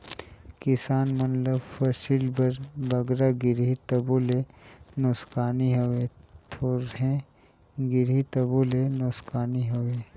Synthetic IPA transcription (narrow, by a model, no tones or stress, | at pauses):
kɪsaːnmɐnləbfɐʃilbɐɾbɐɡɾaɡɪɾɦit̪ɐbuːlenʊskaːniɦowet̪ʰoːɾɦẽ | ɡɪɾɦit̪ɐbuːlenʊskaːniɦoʋeː